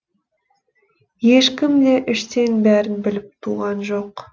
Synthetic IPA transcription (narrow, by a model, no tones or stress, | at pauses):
je̞ʃkʲɪmd̪e̞ʔʏʃt̪e̞nbæɾɪnbɪlɪp̚t̪ʰuʁɑnʒo̞q